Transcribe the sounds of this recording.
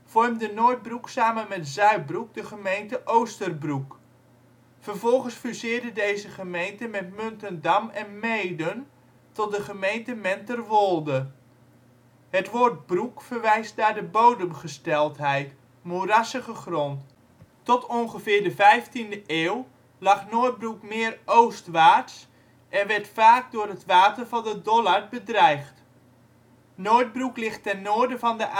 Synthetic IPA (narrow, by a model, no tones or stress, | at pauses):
fɔrmdənoːrt̚bruksaːmənmɛtzœɥt̚bruk̚dəχəmejntəʔowstərbruk | fərvɔlˠχənsfysɪːrdədejzəχəmejntəmɛtmøntəndamɛnmejdən | tɔt̚dəχəmejntəmɛntərʋolˠdə | ɦətʋoːrt̚brukfərʋɛjst̚daːdəbowdəmχəstɛlˠtɦɛjt | morasəχəχrɔnt | tɔtɔnχəvɪːɹdəvɛjftindəʔeːw | lɑχnoːət̚brukmɪːərowstʋaːts | ʔɛnʋɛɹtfaːk̚dʊːrɦətʋaːtərvɑndədɔlarbədrɛjχt | noːt̚bruklɪχtɛnːoːɹdəvɑndəʔ